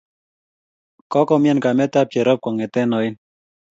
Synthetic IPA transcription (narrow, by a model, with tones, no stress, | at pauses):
kɔ˦kɔ˦mjɛ˦nka˨mɛ˦t̪a˦p̚jɛ˨ɾɔ˦p̚kɔ˨ŋɛ˨t̪ɛ˦nɔ˨ɪ˦n